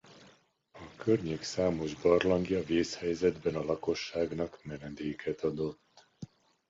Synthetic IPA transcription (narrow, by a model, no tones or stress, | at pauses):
ɒkʰørɲeːksaːmo̞ʒbɒrlɒŋɡjɒveːshɛjzɛd̪bɛnɒlɒko̞ʃːaːɡnɒkmɛnɛd̪eːkʰɛt̪ɒd̪o̞t̪ː